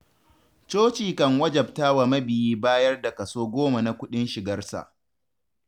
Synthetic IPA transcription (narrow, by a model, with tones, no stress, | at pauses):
t͡ʃoː˦t͡ʃiː˨kɐ˦ŋwɐ˦d͡ʒɐ˨b̚taː˦wa˨mɐ˦bɪ˨jiː˦baː˦jɐ˦rda˨kɐ˨soː˦ɡʷoː˦ma˨na˦kʷʊ˦ɗɪ˦nʃɪ˨ɡɐ˦rsa̰˨ʔ